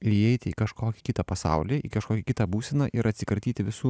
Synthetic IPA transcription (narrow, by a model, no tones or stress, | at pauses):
ɪɛɪt̪ʲɪikɐʃkoːkʲɪ̥kʲɪt̪ɐpɐsɑ̰ʊlʲiːḭkɐʃkoːkʲɛkʲɪt̪ɐbuːsʲɛnɐʔɪɾɐt̪ʲsʲɪkɐɾʲt̪ʲiːt̪ʲɪʋʲɪsuː